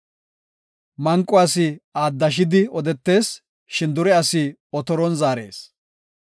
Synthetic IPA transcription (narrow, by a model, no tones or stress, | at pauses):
mɐŋkʼːʊaːsɪaːd̪ːɐʃ̬ɪd̪ɪɔd̪ɛt̪ːe̞ːs | ʃɪnd̪ʊɾɛɐsɪɔt̪ɔɾɔnzaːɾe̞̰ːs